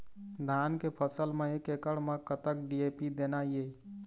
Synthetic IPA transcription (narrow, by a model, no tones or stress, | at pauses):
d̪ʱankepʰəsəlmeekekəɽmekət̪ək̚ɖiepid̪enaje